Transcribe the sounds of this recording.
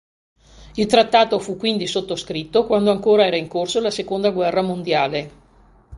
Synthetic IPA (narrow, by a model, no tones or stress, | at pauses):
ilt̪ɾat̪ːaːt̪ofukːwind̪isot̪ːoskɾit̪ːokwand̪oaŋkoːɾaɛːɾaiŋkorsolasekond̪aɡwɛrːamond̪jaːle